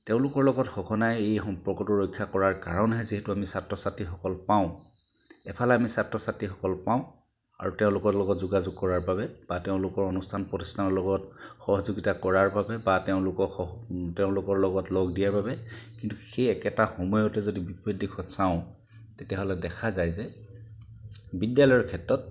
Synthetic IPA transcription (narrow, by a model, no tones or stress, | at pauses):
teʊ̃lʊkɔɹlɔɡɔtxɔkʰɔnajejpɹɔkɔtɔɹɔjkʰːjakɔɹaɹkaɹɔnɦɛziɦɛtuamisatːɹɔsatɹixɔkɔlpaʊ̃ | ɛpʰalɛamisatɹɔsatɹixɔkɔlpaʊ̃ | a̰ɹutɛʊ̃lʊkɔlɔɡɔtzuɡazuɡ̚kɔɹaɹbabɛb̥ateʊ̃lʊkɔɹɔnustʰanpɹɔti̥stʰanɔɹlɔɡɔtxɔɦɔzuɡitakɔɹaɹbabɛbatɛʊ̃lʊkɔɔtɛʊ̃lʊkɔɹlɔɡɔtlɔɡdijaɹbabɛkintuxejɛkɛtaxɔmɔjɔtɛzodibipɹidikʰɔsaʊ̃ | tetijaɦɔlɛdɛkʰazajzɛ | bidjalɔjɔɹkʰɛtːɹɔt̚